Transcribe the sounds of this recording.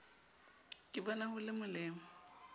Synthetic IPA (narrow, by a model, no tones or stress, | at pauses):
kʼɪbɔnahʊlɪmʊlɪːmɔ